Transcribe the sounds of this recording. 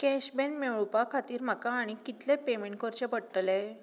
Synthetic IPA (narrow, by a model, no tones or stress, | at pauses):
kɛɕbenmeɭpakʰat̪iːɾm̤akaːɽ̃ikit̪lepemeɳʈkəɾt͡ɕepəɽʈle